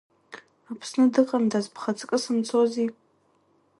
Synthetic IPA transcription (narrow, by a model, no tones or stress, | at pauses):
apʰsnɨdɨqʼamdazpʰχat͡sʼkʼɨsɨmt͡sʰozi